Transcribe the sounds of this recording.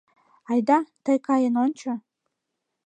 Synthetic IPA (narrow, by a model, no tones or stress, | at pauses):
ajd̪at̪ʰajkʰajənont͡ʃʰa